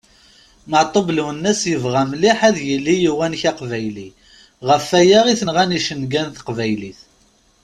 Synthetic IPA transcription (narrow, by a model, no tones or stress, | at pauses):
məʕt̪ˤoblwənːæsjəvʁæmliħæðjəlːijiwænçɑqvæjli | ʁəfæjæʁiθənʁæniʃənɡænθqvæjliθ